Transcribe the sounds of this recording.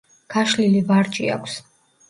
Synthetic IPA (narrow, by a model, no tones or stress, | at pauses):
ɡ̥aʃlilivaɾt͡ʃʼḭa̰kʷʰs